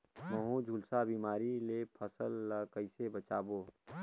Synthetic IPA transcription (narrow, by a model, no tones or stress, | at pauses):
məɦũd͡ʒʱulsabiːmaːɾilepʰəsəlːəkəɪsebət͡ʃaːboː